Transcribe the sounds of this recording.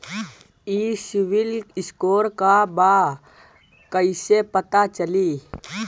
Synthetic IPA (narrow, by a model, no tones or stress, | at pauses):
iːsɪʋɪlɪskoːɾkaba | kəɪsepət̪at͡ʃəliː